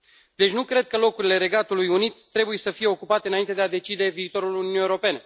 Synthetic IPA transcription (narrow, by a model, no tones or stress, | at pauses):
d̪e̞t͡ʃʲnukɾe̞d̪̚kəlo̞kuɾile̞ɾe̞ɡat̪ulujunit̪ːɾe̞buje̞səfije̞o̞kupat̪eɨnaint̪e̞d̪ead̪e̞t͡ʃid̪e̞viːt̪o̞ɾulununieɾo̞pe̞ne